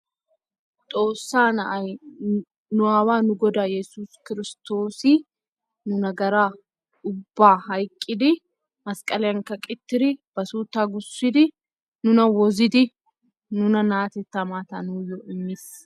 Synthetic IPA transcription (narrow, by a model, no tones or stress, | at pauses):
t̪ʼo̞ːsːaːnɐʔɐj | nʊɐwaːnʊɡɔd̪aːjɛsuːskɪɾɪst̪o̞ːsɪ | nʊnɐɡɐɾaː | ʊbːaːɦɐjkʼːɪd̪ɪ | mɐskʼɐlɛɐŋkɐkʼɪt̪ːɪɾɪb̥ɐsuːt̪ːaːɡʊsːɪd̪ɪ | nʊnɐwɔzɪd̪ɪ | nʊnɐnaːt̪ɛt̪ːɐmaːt̪ɐnuːjɔʔɪmːɪs